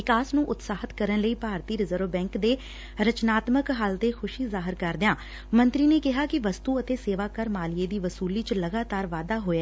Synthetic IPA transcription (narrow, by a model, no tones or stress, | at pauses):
ʋɪkaːsnũːʔʊt̪saːɦət̪kəɾənləiːpaːɾt̪iːɾɪzəɾʋbɛ̃ːŋkd̪eː | ɾət͡ʃnaːt̪məkɦəlt̪eːkʰʊʃiːzaːɦɪɾkəɾd̪ɪãː | mə̃nt̪ɾiːneːkɪɦaːkɪʋəst̪uːət̪eːseːʋaːkəɾmaːlɪjeːd̪iːʋəsuːliːt͡ʃləɡaːt̪aːɾʋaːd̪aːɦoːeː